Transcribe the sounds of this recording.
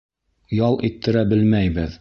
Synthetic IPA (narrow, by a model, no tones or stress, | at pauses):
jɑlˠʔit̪ʰːɘ̆ɾæbɘlmæjbɘð